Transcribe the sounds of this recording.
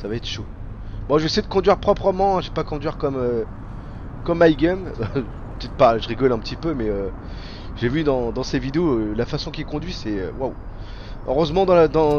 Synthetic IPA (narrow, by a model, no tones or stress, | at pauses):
savaɛt̪χʃo | bwɔʒesɛjd̪əkɔ̃d̪ɥiʁpχɔpχəmɑ̃ɛ̃ʒepakɔ̃d̪ɥiʁkɔmø | kɔmːajɡʲɛm | pət̪ɛt̪̚paʒəʁiɡɔlɛ̃pət̪ipømɛø | ʒ̥evyd̪ɑ̃d̪ɑ̃sevid̪eoølafasɔ̃kʲilkɔ̃d̪ɥisɛø̰waw | ø̰ʁøzmɑ̃d̪ɑ̃d̪ɑ̃